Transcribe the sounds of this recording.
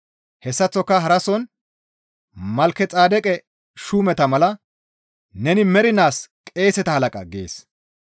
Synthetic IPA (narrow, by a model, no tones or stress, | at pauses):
hɛsːɐt͡sːɔkːɐɦɐɾɐsɔn | mɐlkːɛt͡sʼaːd̪ɛkʼɛ | ʃuːmɛt̪ɐmɐlɐ | nɛnɪmɛɾɪnaːskʼe̞ːsɛt̪ɐhɐlɐkʼɐ̰ɡḛːs